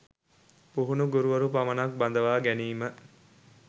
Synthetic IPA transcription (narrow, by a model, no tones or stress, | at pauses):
puɦunuɡuɾuʋɐɾupamɐnak̚bɐnd̪ɐʋaːɡæniːmə